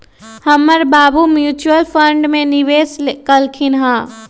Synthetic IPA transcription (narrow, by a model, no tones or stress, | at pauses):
həmːəɾbaːbumjuːt͡ʃuəlpʰəɳɖmẽniʋeːskəlkʰɪnɦãː